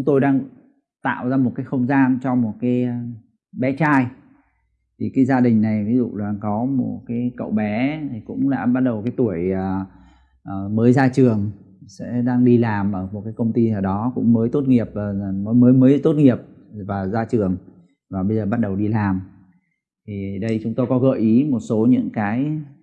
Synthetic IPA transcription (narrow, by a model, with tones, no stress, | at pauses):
ʊ˨˦ŋ͡mt̪o˧jɗaː˧ŋ | t̪a̰ː˧˨wzaː˧mo˨˩kaː˨˦jxə˧wŋ͡mzaː˧nt͡ɕɔ˧mo˨˩t̚kaː˨˦j | ɓɛ˨˦t͡ɕaː˧j | t̪ʰi˨˩kaː˨˦jzaː˧ɗï˨˩ŋ̟na˨˩jvi˨˦zṵ˧˨laː˨˩kɔ˨˦mo˨˩t̚kaː˨˦jkə̰˧˨wɓɛ˨˦t̪ʰi˨˩kʊ̰˧˥ŋ͡mla̰ː˧˥ɓa˦˥t̚ɗə˨˩wkaː˨˦jt̪u˧˩əjəː˨˩ | ʔə˨˩məː˨˦jzaː˧t͡ɕɨ˨˩əŋ | sɛ̰˧˥ɗaː˧ŋɗi˧laː˨˩mʔəː˧˩m˨˩t̚kaː˨˦jkə˧wŋ͡mt̪i˧aː˨˩ɗɔ˨˦kʊ̰˧˥ŋ͡mməː˨˦jt̪o˦˥t̚ŋi˨˩əp̚aː˨˩˨məː˨˦jməː˨˦jməː˨˦jt̪o˦˥t̚ŋi˨˩əp̚ | vaː˨˩zaː˧t͡ɕɨ˨˩əŋ | vaː˨˩ɓə˧jzəː˨˩ɓa˦˥t̚ɗə˨˩wɗi˧laː˨˩m | t̪ʰi˨˩ɗə˧jt͡ɕʊ˨˦ŋ͡mt̪o˧jkɔ˨˦ɣə̰ː˧˨ʔi˨˦mo˨˩t̚so˨˦ɲɨ̰˧˥ŋkaː˨˦j